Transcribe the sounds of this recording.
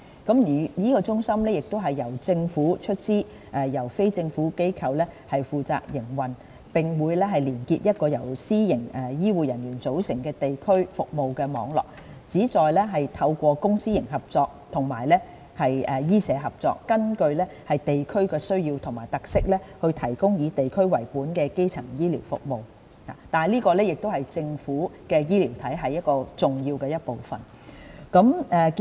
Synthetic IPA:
kɐ˨˥mjiː˨˩jiː˥kɔː˧t͡ʃʊ˥ŋsɐ˥mlɛː˥jɪ˨k̚t̪o˥ɦɐ˨jːɐ˨˩wt͡sɪ˧ŋfuː˨˥t͡ʃʰɵ˥t̚t͡siː˥ | ʔɛː˨jɐ˨˩wfe˥jt͡sɪ˧ŋfuː˨˥ke˥jkʰɐ˨˧wlɛː˥hɐ˨jfuː˨t͡sa̰ː˧k̚jɪ˨˩ŋwɐ˨n | pɪ˨ŋwuː˨˧jlɛː˥ɦɐ˨jliː˨˩nkiː˧t̚jɐ˥t̚kɔː˧jɐ˨˩wsiː˥jɪ˨˩ŋɛ˨jiː˥wuː˨jɐ˨˩njyː˨˩nt͡so˨˥wsɪ˨˩ŋkɛː˧t̪e˨jkʰɵ˥ɥfʊ˨k̚mo˨wkɛː˧mɔː˨˧ŋlɔ̰ː˨k̚ | t͡siː˨˥t͡sɔː˨˧jlɛː˥ɦɐ˨jt̪ʰɐ˧wkʷɔː˧kʊ˥ŋsiː˥jɪ˨˩ŋɦɐ˨p̚t͡sɔː˧k̚t̪ʰʊ˨˩ŋma̰ː˨˩jlɛ˥ | hɐ˨jɛː˨jiː˥sɛː˨˧˥ɦɐ˨˩p̚t͡sɔ̰ː˧kːɐ˥nkɵ˧ɥlɛː˥hɐ˨jt̪e˨jkʰɵ˥ɥkɛː˧sɵ˥ɥjiː˧wt̪ʰʊ˨˩ŋmaː˨˩jt̪ɐ˨k̚sɪ˥k̚lɛː˥hɵ˧ɥt̪ʰɐ˨˩jkʊ˥ŋjiː˨˧t̪e˨jkʰɵ˥ɥwɐ˨˩jpuː˨˥nkɛː˧ke˥jt͡sʰɐ˨˩ŋjiː˥liː˨˩wfʊ̰˨k̚mo˨w | a̰ː˨˩t̪aː˨liː˥kɔː˧lɛː˥jɪ˨k̚t̪o˥whɐ˨jt͡sɪ˧ŋfuː˨˥kɛː˧jiː˥liː˨˩wt̪ʰɐ˨˥jɦɐ˨jːɐ˥t̚kɔː˧t͡sʊ˨ŋjiː˧wkɛː˧jɐ˥t̚po˨wfɐ̰˨n | kɐ˨˥mɛ˨

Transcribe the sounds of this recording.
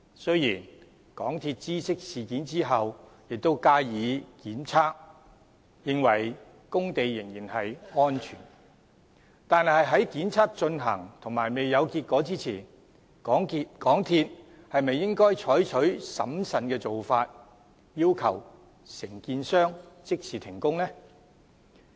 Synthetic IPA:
sɵ˥ɥjiː˨˩n | kɔ̰ː˨˥ŋt̪ʰiː˧t̚t͡siː˥sɪ˥k̚siː˨kiː˨˥nt͡siː˥ɦɐ˨w | jɪ˨k̚t̪o˥wkaː˥jiː˨˧kiː˨˥nt͡sʰaː˥k̚ | jɪ˧˥ŋwɐ˨˩j | kʊ˥ŋt̪e˨jːɪ˨˩ŋjiː˨˩nhɐ˨jŋɔː˥nt͡ʃʰyː˨˩n | t̪aː˨˧n˨hɐ˨jɦɐ˨˥jkiː˨˥nt͡sʰaː˥k̚t͡ʃɵ˧nɦɐ̰˨˩ŋt̪ʰʊ˨˩ŋmaː˨˩jme˨jːɐ˨˧wkiː˧t̚kʷɔː˨˥t͡siː˥t͡sʰḭː˨˩n | kɔː˨˥ŋi˧kɔː˨˥ŋt̪ʰiː˧t̚ | hɐ˨jme˨jɪ˥ŋkɔː˥jt͡ʃʰɔː˨˥jt͡ʃʰɵ˨˥ɥsɐ̰˨˥msɐ˨nkɛː˧t͡so˨wfaː˧t̚ | jiː˥wkʰɐ˨˩w | sɪ˨˩ŋkiː˧nsœː˥ŋt͡sɪ˥k̚siː˨˩t̪ʰɪ˨˩ŋkʊ˥ŋlɛ˥

